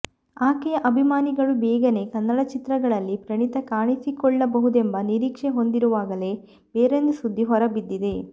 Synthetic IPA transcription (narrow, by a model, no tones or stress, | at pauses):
aːkɛjɐʔɐbʱimaːniɡɐɭubɛːɡɐne̞kɐnːɐɽɐt͡ʃit̪ɾɐɡɐɭɐlːipɾɐɳit̪ɐkaːɳisikɔɭːɐbɐɦud̪e̞mbɐniɾiːkʂeɦo̞nd̪iɾuʋaːɡɐle̞ | beːɾend̪usud̪ʱːiɦɔɾɐbid̪ːid̪e̞